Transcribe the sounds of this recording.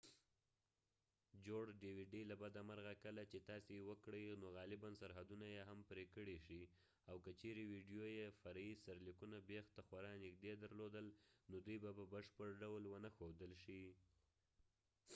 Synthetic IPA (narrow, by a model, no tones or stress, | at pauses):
d͡ʒoɽɖiwiɖilabad̪amaɾɣakəlat͡ʃet̪ɑsewəkɽəjnoɣɑlɪbansaɾɦad̪unajeɦampɾekəɽeʃi | awkət͡ʃeɾewiɖjojefaɾajisaɾlikunabext̪axwaɾɑnɪkd̪ed̪aɾlod̪əlnod̪ujbababəʂpəɽɖawlwənaxod̪əlʃi